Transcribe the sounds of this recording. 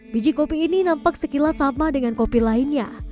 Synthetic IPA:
bid͡ʒikopiːninampak̚səkilasamadəŋankopilainɲa

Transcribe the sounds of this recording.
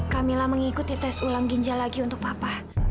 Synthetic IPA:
kamilahməŋikut̪it̪asulaŋɡiɲd͡ʒalaɡiunt̪ʊk̚papah

